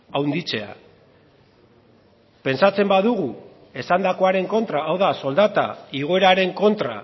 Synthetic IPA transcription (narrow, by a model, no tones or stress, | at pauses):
awnd̪it͡se̞a̰ | pe̞nsat͡se̞mbaðuɣ̞u | e̞sand̪ako̞aɾe̞ŋko̞nt̪ɾaːwðaso̞ld̪at̪a̰iɣ̞o̞e̞ɾaɾe̞ŋko̞nt̪ɾa̰